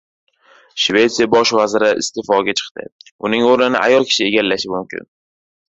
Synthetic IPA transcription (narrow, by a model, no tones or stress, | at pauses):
ʃve̞t̪sijabɒʃvazɪɾɪʔɪ̰st̪ʰefɒɡʲat͡ʃʰɨ̥qt̪ɪ̰ʊnɪŋoɾnɪnɪ̰ʔa̰jɒlˠkʲʰɪ̥ʃɪe̞ɡʲalːaʃɪmʊmkʲʰɪ̰n